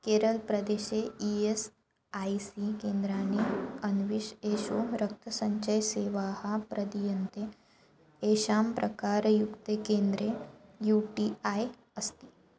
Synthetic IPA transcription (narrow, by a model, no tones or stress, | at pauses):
keːɾəlpɾɐd̪eɕeies | aisikeːnd̪ɾaːniɐnʋiʃeːʃoɾɐk̚t̪ʰəsɐɲt͡ʃəjseːʋaːhapɾɐd̪ijɐnt̪e | eʃaːmpɾɐkaːɾjukt̪ekend̪ɾejuʈiaj | əst̪i̥ː